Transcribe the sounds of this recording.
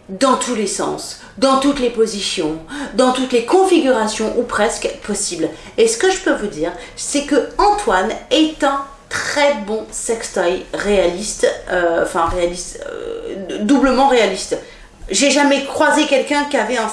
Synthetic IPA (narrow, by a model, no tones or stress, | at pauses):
d̪ɑ̃t̪ʰulesɑ̰̃s | d̪ɑ̃t̪ut̪lepozisjɔ̃d̪ɑ̃t̪ut̪lekɔ̃fiɡʲyʁasjɔ̃ʔupχɛskpɔsibl | esə̥kəʒəpøvud̪iːʁsɛkəɑ̃t̪wanɛt̪ɛ̃ | t̪χɛbɔ̃sɛkst̪ɔjʁealist̪øɑ̰̃fɛ̃ʁealist̪d̪ubləmɑ̃ʁealist̪ | ʒeʒamɛkχwazekʲɛlkʲɛ̃kʲiavɛɛ̃